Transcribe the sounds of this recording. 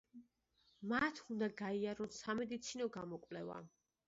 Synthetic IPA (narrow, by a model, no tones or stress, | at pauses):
mat̪ʰund̪aɡaiaɾɔnsamɛd̪it̪sʰinɔɡamɔkʼvlɛva̰